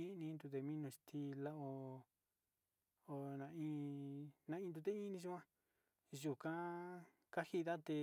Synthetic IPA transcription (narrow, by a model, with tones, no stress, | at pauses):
i˦˧nĩ˧˦nd̪u˧t̪̬e˧mĩ˦nũ˧ʃt̪ʰi˧la˦o˧ | o˧nã˧ĩ˦˧nã˧ĩ˧nd̪u˧t̪e˦i˦nĩ˧ʃu˦ã˦ | ʒu˨kã˦ | ka˦hi˦ða˦t̪e˧